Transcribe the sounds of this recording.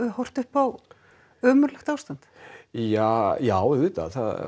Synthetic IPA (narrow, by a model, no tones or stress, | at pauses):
hɔr̥t̪ʏhpaw | œːmʏɾlɛxt̪awst̪ant̪jajaːwvɪːt̪a̰θa̰ð